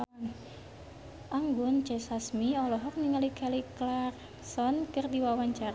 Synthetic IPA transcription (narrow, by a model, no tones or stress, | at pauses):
ʔaŋɡunt͡ʃɛsasmiɔlɔɦɔk̚niŋalikʰaliklar | sɔnkɨrdiwawaɲt͡ʃara